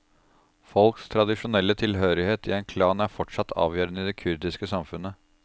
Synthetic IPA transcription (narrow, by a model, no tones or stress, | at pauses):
fɔlkst̪ʰɾɑd̪ɪʂʊnɛlːət̪ʰɪlɦøːɾɪheːt̪ɪ̰ɛnkʰlɑːnæɾfɔʈʂɑt̪ʰːɑ̰ːʋjøːɾənəɪd̪ɛkʰʉɾd̪ɪskəsɑmfʉnə